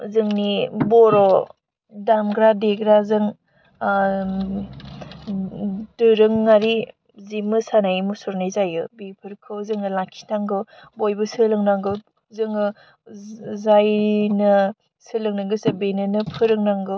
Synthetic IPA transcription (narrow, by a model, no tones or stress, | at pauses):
zɯŋnibɔɾɔ | damɡɾadeɡɾazɯŋ | dɯɾɯŋːaɾi | zimɯsanajmusuɾnajzajɯbipʰɯɾkʰɯwzɯŋɯlakʰi̥tʰaŋɡɯbojbɯsɯlɯŋnaŋɡɯw | zɯŋɯ | zajnɯ | sɯlɯŋnaŋɡɯsɯbenɯnɯpʰɯɾɯŋnaŋɡɯw